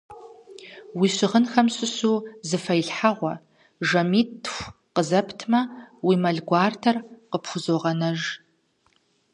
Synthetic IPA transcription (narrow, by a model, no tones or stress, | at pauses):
wiːɕɪʁənxɐmɕʷʼʊɕuːzɨfɐjɬħaʁʷɔ | ʒɐmiːtxʷ | qəzɐpʰtʰmɐwimɐɮɡʷaːrtʰɐrqəpxʷʊzoːʁɐnɐʒ